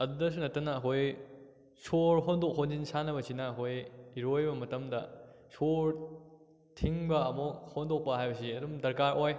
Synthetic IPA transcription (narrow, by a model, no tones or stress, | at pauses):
ɐdudɐs̬unɐtːɐnɐːkʰoj | soɾɦondok̚ɦonzinsanɐbɐsinɐːkʰojiɾojbɐmɐtɐmdɐ | soɾ | tʰiŋbɐːmohondok̚pɐɦajbɐsiɐdumdɐɾkaɾʔoj